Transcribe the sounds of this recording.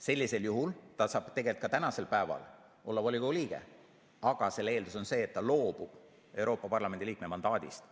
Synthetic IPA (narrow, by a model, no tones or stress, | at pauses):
se̞lʲːise̞ljuɦult̪ɑsɑːb̥t̪e̞ɡe̞lt̪̚kɑt̪ænɑse̞lpæevɑ̰l | o̞lːɑvolʲiɡoliːɡ̥e̞̰ | ɑɡ̥ɑse̞lːe̞ːld̪uso̞nse̞ːt̪ːɑlo̞ːb̥ub̥ | e̞wɾo̞ːpːˑɑpɑrlɑme̞nd̪iliːk̚me̞mɑnd̪̥ɑːd̪̥ḭst̪